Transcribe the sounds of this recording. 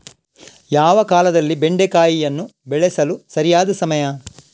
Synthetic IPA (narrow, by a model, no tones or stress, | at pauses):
jaːʋɐkaːlɐd̪ɐlːibeɳɖekaːjijɐnːubɛɭɛsɐlusɐɾijaːd̪ɐsɐmɐjɐ